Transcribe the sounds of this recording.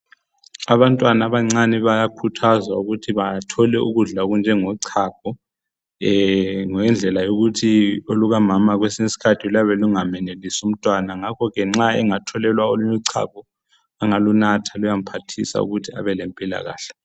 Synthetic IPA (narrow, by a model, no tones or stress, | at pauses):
aβantʼwanaβaŋ͡ǀaniβajakʰutʰazwauɣutʰiβatʰɔlɛṵɣuɮaoɣund͡ʒʱɛŋɔǀʰak̚ʰɔ | ŋɛnd͡ɮʱɛlajoɣutʰioluɣamamaɣwesinisi̥kʰatʰiulaβɛluŋamɛnelisum̩tʼwanaŋakʰɔɣɛŋ͡ǁaɛŋatʰɔlɛlwaoluɲɔǀʰa̰k̚ʰɔ | aŋalunatʰalujam̩pʰatʰisa̰ṵɣutʰia̰βɛlempʼila̰ɣa̰ːɬɛ̥